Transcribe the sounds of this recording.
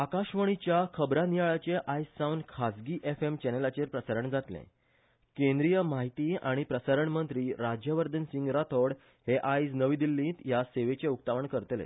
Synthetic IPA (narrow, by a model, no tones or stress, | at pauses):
akaɕʋəɳ̃it͡ɕjakʰəbɾanijaɭat͡ɕeʔajsːaunkʰasɡiːʔefemt͡ɕɛnelat͡ɕeɾpɾəsaɾəɳd͡zat̪lḛ̃ | kẽnd̪ɾijəmaɦit̪iːa̰ɽ̃ipɾəsaɾəɳmənt̪ɾiːɾad͡ʑjəʋəɾd̪ənsĩŋɡɾat̪ʰoɽ | heʔajsnəʋĩd̪ilːĩt̪jaseʋet͡ɕeuk̚t̪aʋəɳkəɾt̪lḛ